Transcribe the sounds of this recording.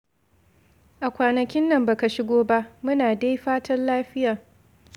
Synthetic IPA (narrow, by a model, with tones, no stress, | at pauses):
ʔa˨kʷaː˨nɐ˨kʲɪ˦nːɐ˦˨mbaː˨ka˨ʃɪ˦ɡʷoː˦ba˦ʔmʊ˦naː˨da˦jɸaː˦tʰɐ˦nlaː˦ɸɪ˦jaː˨